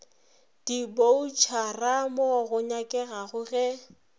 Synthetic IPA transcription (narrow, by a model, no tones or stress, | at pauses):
d̥ibout͡ʃʰaramoɣʊɲakʼɛɣaɣʊɣɛ